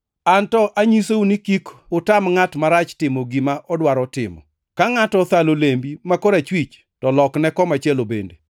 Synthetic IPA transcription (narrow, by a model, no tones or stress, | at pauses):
antɔʔaɲisounikikʊtamŋatmaɾat͡ʃtɪmoɡimaʔɔdwaɾɔtɪmɔ̰ | kaŋatɔt̪alolembimakoɾat͡ʃwit͡ʃ | tɔlɔknɛkɔmat͡ʃjɛlobḛnde